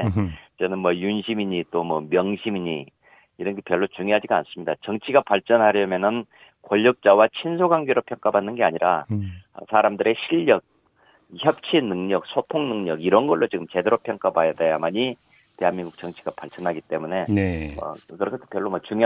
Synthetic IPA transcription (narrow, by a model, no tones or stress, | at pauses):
t͡ɕʌnɯnmwʌjunɕʰimiɲit͈omwʌmjʌŋɕʰimiɲi | iɾʌnɡe̞pjʌɭːot͡ɕuŋjoɦad͡ʑiɡaa̰ns͈ɯmɲidat͡ɕʌŋt͡ɕʰiɡapaɭt͡ɕ͈ʌnɦaɾjʌmjʌnɯn | koʎːʌk̚t͡ɕ͈awat͡ɕʰinsʰoɡaŋɡeɾopʰjʌŋk͈abanːɯnɡe̞aɲiɾa̰ | sʰaɾamdɯɾe̞ɕʰiʎːʌk̚ | çjʌp̚t͡ɕʰinɯŋɲʌk̚sʰotʰoŋnɯŋɲʌɡiɾʌnɡʌɭːot͡ɕiɡɯmt͡ɕe̞deɾopʰjʌŋk͈abajadejamaɲi | te̞ɦanmiŋɡuk̚t͡ɕʌŋt͡ɕʰi̥ɡ̥apaɭt͡ɕ͈ʌnɦaɡit͈e̞mune̞ʌ̰kɯɾʌkʰetʰo̥pjʌɭːomʌt͡ɕuŋ